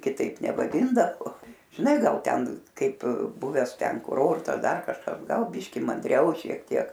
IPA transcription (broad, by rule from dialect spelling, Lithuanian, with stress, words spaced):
kʲɪˈtɐɪp nʲɛʋɐˈdʲɪndɐʋoː ʒʲɪˈnɐɪ ˈɡɐlˠ ˈtʲɛn ˈkɐɪp ˈbʊʋʲæːs ˈtʲɛn kʊˈroːrtɐs ˈdɐr kɐʃˈkɐs ˈɡɐlˠ ˈbʲiːʃʲkʲɪ mɐnʲdʲˈrʲɛʊ ʃʲiɛk ˈtʲiɛk